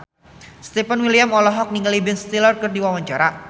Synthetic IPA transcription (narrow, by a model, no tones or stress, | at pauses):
st̪epənwiliamɔlɔɦɔk̚niŋalibɛnst̪ilɔrkɨrdiwawaɲt͡ʃaɾa